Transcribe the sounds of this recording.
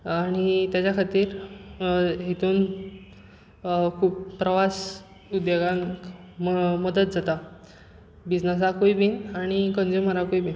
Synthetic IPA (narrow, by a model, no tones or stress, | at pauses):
aɽ̃it̪jat͡ɕjakʰat̪iːɾ | ɦit̪uːn | kʰuːppɾəʋas | ud̪joɡãŋ | məd̪ət̪̚d͡zat̪a | bid͡znəs̬akoibinaɽ̃ikənd͡zuməɾakoibin